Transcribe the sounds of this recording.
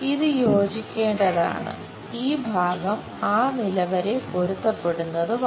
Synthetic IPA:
iðɨjo̞ːd͡ʑikʲːe̞ːɳɖɐða̰ːɳɨ̰ | iːbʱaːɡɐm | aːnilɐʋɐɾe̞po̞ɾut̪ːɐpːe̞ɽunːɐðɨʋ

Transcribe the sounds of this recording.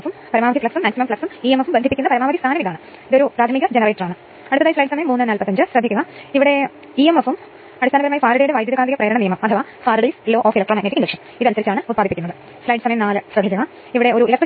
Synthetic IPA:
fumpɐɾɐmaːɐiflɐksumːaːksimɐmflɐksumiːemɐfumbend̪ʱipːikʲːunːɐpɐɾɐmaːɐist̪ʰaːnɐmiðaːɳɨ | iðeupɾaːt̪ʰɐmiɣɐd͡ʑenɐrejʈːraːɳɨ | ɐɽut̪ːɐðaːjislɐjɖɨsɐmɐjɐmːuːnːɨnaːlpɐt̪ːɐɲd͡ʑɨɕrɐd̪ʱːikːuɐɣaiʋiɽe̞ | iemefum | ɐɽist̪ʰːnɐʋɐɾumaːjifaːɾiɽijɽeʋɐːjd̪jɐðɐkaːiɣɐprɐjɐɾɐɳɐnijɐmɐmɐt̪ʰɐʋaːfaːɾiɽislːoːʔoːfilɐk̚ʈrːmːaːneːikːiɳɖeʂɐm | iðɨɐnusɐɾit͡ɕːaːɳɨut̪̚paːd̪ipːikʲːunːɐðɨ | slɐjɖɨsɐmɐjɐmnaːlɨsrɐd̪ʱikʲːuɣa | iʋiɽe̞o̞ɾuilɐkʈr

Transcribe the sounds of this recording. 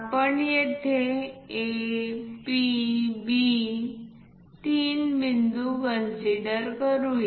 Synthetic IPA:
apəɳjet̪ʰee | pibi | t̪iːnmind̪ukənsiɽəɾkəɾuje

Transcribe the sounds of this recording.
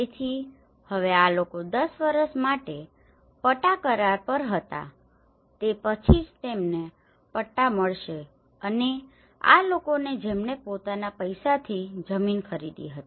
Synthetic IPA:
et̪ʰi | həʋealokod̪əsʋəɾəsmaʈe | pəʈakəɾaɾpəɾɦət̪a̰ | t̪epət͡ʃʰid͡ʒt̪emne | pəʈːaməɭʃe | əne | a̰lokoned͡ʒemɳepot̪anapəjsat̪ʰid͡ʒəminkʰəɾid̪ḭɦət̪i̥

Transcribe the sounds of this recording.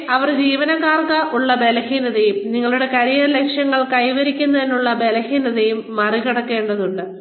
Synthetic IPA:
ɐʋɐrd͡ʑiːʋɐnɐɣaːrkɐʔuɭːɐbe̞lɐhiːnɐðɐjumniŋːɐɭuɽe̞kɐɾijɐlekʂjɐŋːɐɭkɐjʋɐɾikʲːunːɐðinːuɭːɐbe̞lɐhiːnɐðɐjumːɐriɣɐɽɐkːe̞ːɳɖɐðuɳɖɨ

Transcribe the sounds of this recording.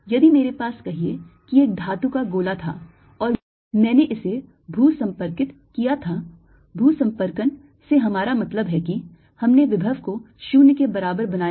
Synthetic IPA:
jɐd̪imeːɾepaːskɐɦiekieːk̚d̪ʱaːt̪ukaɡoːlat̪ʰa̰ː | ɔːɾ | mɛ̃ːneʔɪse | bʱuːsɐ̃mpəɾkɪt̪kijat̪ʰa | bʱuːsɐ̃mpəɾkən | seɦɐmaːɾamɐt̪ləbɦɛki | hɐmneʋɪbʱəʋko | ʃuːnkebɐɾaːbəɾbɐnaːj

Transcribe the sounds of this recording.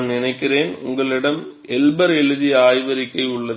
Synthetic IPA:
mnɪnɐɪkːɪreːnʊ̰ŋɡɐɭɪɽɐm | ɛlbɐɾɛɻɯðiaːjʋɐɾɪkːɐɪʊɭːɐð

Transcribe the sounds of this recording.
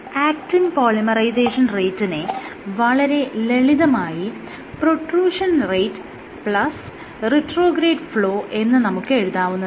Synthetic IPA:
aːk̚tinpoːɭimɐrɐjseːʂɐnrejtːinɨʋɐɭɐɾe̞le̞ɭiðɐmaːji | proʈruːʂɐnrejtːɨ̥ | pɭɐs | riʈro̞ːɡɾeːɖfɭo̞ːʔe̞nːɨnɐmukːɨe̞ɻuðaːʋunːɐð

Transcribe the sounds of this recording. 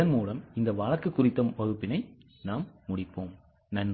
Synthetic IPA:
ɐnmuːlɐmɪnd̪ɐʋɐːɻɐɾkːɯkːʊrɪt̪ːɐʋɐɣɯpːɪnɐɪ | naːmːʊɽɪpːoːm | nɐn

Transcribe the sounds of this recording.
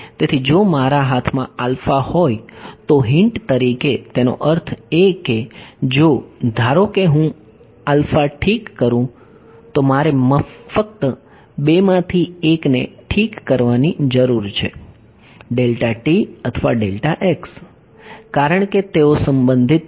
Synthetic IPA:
t̪et̪ʰid͡ʒomaɾaɦat̪ʰmã̰alfahojt̪oɦɪɳʈt̪əɾiket̪eno̰ʔəɾt̪ʰeked͡ʒod̪ʱaɾokeɦũ | alfaʈʰikːəɾũ | t̪omaɾeməfək̚t̪ə | bemãt̪ʰieknḛʈʰikːəɾʋanid͡ʒəɾuɾt͡ʃʰe | ɖelʈaʈiət̪ʰʋaɖelʈaʔeks | kaɾəɳ̃ket̪eosəmbənd̪ʱit̪

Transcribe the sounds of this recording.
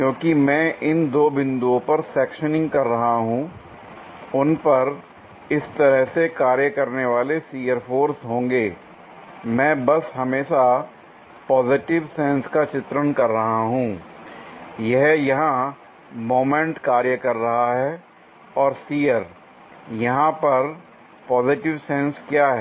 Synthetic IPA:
kjõːkimɛ̃ːʔɪnd̪oːbɪ̃nd̪uõpɐɾsɛːkʃənɪ̃ŋɡkɐɾːɐɦaɦũ | ʊnpɐɾ | ɪst̪ɐɾəɦsekaːɾjəkɐɾneʋaːlesiːəɾfʰoːɾsɦõːŋɡeː | mɛ̃ːbɐsɦɐmeːʃa | pɔːzɪʈɪʋsɛ̃ːnskat͡ʃɪt̪ɾənkɐɾːɐɦaɦũː | jɛɦjɐɦã | moːmẽɳʈkaːɾjəkɐɾːɐɦaɦɛː | ɔːɾsiːjəɾ | jɐɦãpɐɾ | pɔːzɪʈɪʋsɛ̃ːnskjaːɦɛː

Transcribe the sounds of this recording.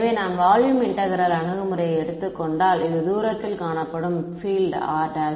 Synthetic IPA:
ʋeːnaːmʋaːɻjumɪɳʈɐɣɐɾaːlɐɳɯɣɯmɯɾɐjɐɛɽɯt̪ːɯkːɔɳɖaːlɪðɯd̪uːɾɐt̪ːɪlkaːɳɐpːɐɽɯmfiːlɖa̰ːɾɖɐ

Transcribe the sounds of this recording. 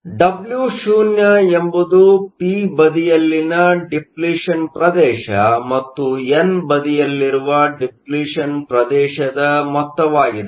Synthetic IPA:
ɖɐbljuʃuːnjɐe̞mbud̪upiːbɐd̪ijɐlːinɐɖipliːʂɐnpɾɐd̪ɛːʃɐmɐt̪ːuenbɐd̪ijɐlːiɾuʋɐɖipliːʂɐnpɾɐd̪ɛːʃɐd̪ɐmɔt̪ːɐʋaːɡid̪e

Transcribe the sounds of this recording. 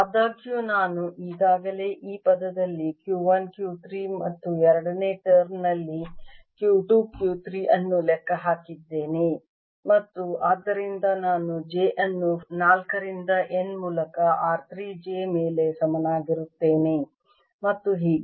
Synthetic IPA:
ɐd̪aːɡjunaːnuʔiːɡ̪aːɡɐle̞ːʔiːpɐd̪ɐd̪ɐlːikjuːʋɐnkjuːt̪ɾimɐt̪ːuɛɾɐɽɐne̞ːʈɐɾnɐlːikjuːʈuːb̚kjuːt̪ɾiʔɐnːulɛkːɐɦaːkid̪ːe̞ːne | mɐt̪ːuʔaːd̪ːɐɾind̪ɐnaːnud͡ʒeːʔɐnːunaːlkɐɾind̪ɐʔenmuːlɐkɐʔaːɾt̪ɾiːd͡ʒeːme̞ːle̞sɐmɐnaːɡiɾut̪ːe̞ːne̞ | mɐt̪ːuɦiːɡ

